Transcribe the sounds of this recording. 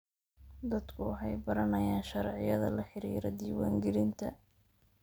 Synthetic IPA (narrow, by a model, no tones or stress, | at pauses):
d̪ɐd̪kʰʊɦɛjbɐɾɐnɐjaːnʃɐɾʕɪjɐðɐ̰lɐħɪɾḭːɾɔ̰d̪iːwaːŋɡɛlɪnt̪ʰɐ̰